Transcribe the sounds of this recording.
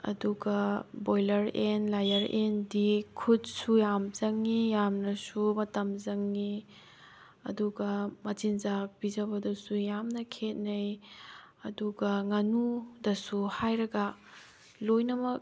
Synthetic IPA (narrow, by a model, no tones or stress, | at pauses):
ɐ̰duɡɐbojlɐɾenlajɐɾendikʰudsujamzɐŋːijamnɐsumɐtɐmzɐŋːi | ɐ̰duɡɐmɐtinzak̚b̥izɐβɐdɐsujamnɐkʰet̚nɐj | ɐduɡɐŋɐnudɐsuhajɾɐɡɐ | lojnɐmɐk̚